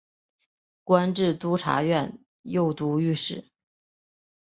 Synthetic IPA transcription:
kwa˥nʈ͡ʂɻ̩˥˩t̪u˥ʈ͡ʂʰa̰˧˥ɥɛ˥˧n | jo˥˩ʊt̪u˧˥y˥˧ʂɻ̩˥˩

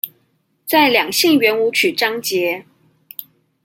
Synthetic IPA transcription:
t͡sa˥˩ɪljɑ˨˩ŋɕi˥˩ŋɥɛ˧˥nu˧˥t͡ɕʰy˨˩ʈ͡ʂɑ˥ŋt͡ɕjɛ˧˥˦

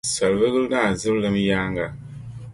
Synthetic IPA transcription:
sa˨lvɨ˦ɣɨ˦lnaː˦˨zɨ˦blɨ˦mjaː˦ŋɡa˨

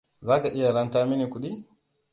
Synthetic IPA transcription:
za˦ka˨ʔi˦ja˨ɾa˦nta˦mi˦ni˨ku˨ɗi˦

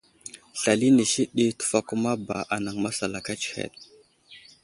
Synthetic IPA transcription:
ɬa˨li˦ni˨ʃi˦ɗi˦tu̥˨fa˦ku˦ma˦ba̰˨ʔa˨na˨ŋma˦sa˨la˨ka˦t͡ʃi̥˨hḛ˨ɗ

